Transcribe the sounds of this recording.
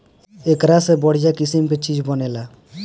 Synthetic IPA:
ekɾasebɔɽ̤ijakisimket͡ʃid͡ʒʱbɔnela

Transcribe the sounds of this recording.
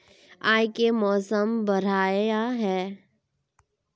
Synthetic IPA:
aːjkemɔːsəmbɐɾ̤aːaɦɛː

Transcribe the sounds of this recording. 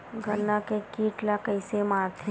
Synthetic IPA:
ɡʱənːakekiːʈlakəɪsemaːɾt̪ʰe

